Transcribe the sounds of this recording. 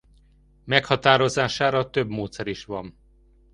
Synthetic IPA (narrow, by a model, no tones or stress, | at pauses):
mɛkhɒt̪aːɾo̞zaːʃaːɾɒt̪øbmoːt̪sɛɾiʃʋɒm